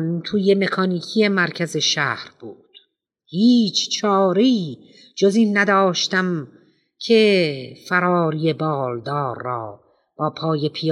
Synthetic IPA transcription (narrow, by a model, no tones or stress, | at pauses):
nt̪ʰuːje̞me̞kʰɒːniːkʰije̞mæɾkʰæze̞ʃæːhɾb̥uːd̪̥ | hiːt͡ʃʰt͡ʃʰɒːɾeiː | d͡ʒoziːnːæd̪ɒːʃt̪æm | kʰefæɾɒːɾije̞bɒːld̪ɒːɾːɒː | b̥ɒːpʰɒːje̞pʰij